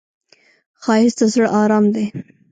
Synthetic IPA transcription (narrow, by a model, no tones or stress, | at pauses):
xɑhɪst̪azəɽʔɑɾɑmd̪e